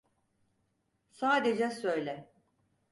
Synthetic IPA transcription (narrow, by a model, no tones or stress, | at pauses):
saːd̪ed͡ʒɛsøjlʲɛ